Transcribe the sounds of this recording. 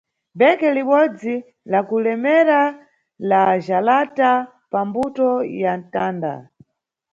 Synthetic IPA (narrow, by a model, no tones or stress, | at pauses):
bɛkɛliɓɔd͡zi | lakulɛmɛɾa | laʒalata | pambutɔjantaːnda̰